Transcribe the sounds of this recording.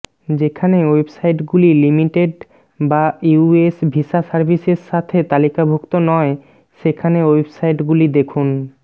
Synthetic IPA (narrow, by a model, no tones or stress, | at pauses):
d͡ʑekʰanewebsajʈɡulilimiʈeɖ | bauesbʱiʃasaɾbʱiseɾʃat̪ʰet̪alikabʱokt̪onɔe | ʃekʰanewebsajʈɡulid̪ekʰun